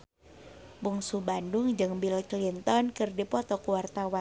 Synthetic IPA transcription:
buŋsubandʊŋd͡ʒɨŋbilklint̪ɔnkɨrdipɔt̪ɔkuwart̪awan

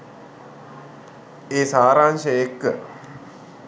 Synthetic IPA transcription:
eːsaːɾaːnʃəjekːə̰

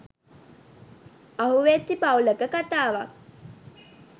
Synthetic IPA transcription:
aɦuʋetːipauləkəkat̪aːʋa

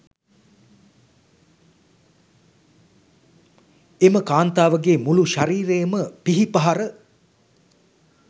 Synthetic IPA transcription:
eməkaːnt̪aːʋəɡeːmuluʃaɾiːɾejəməpiɦipɐɦaɾə

